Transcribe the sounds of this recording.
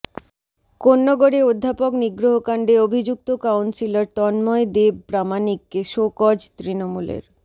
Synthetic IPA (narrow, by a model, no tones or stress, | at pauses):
konːoɡoɽeod̪ʱːapokniɡɾoɦokaɳɖeobʱid͡ʑuk̚t̪okawnsilaɾt̪ɔnmɔed̪ebpɾamanikːeʃokɔd͡ʑt̪ɾinomulḛɾ